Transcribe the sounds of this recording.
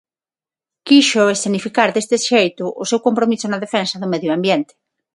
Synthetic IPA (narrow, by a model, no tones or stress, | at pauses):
kiʃʊesθenifikaɾðest̪ɪsʃejt̪ʊʔʊsewkompɾomisʊnɐðefensɐðʊmeðjoambjent̪ɪ̥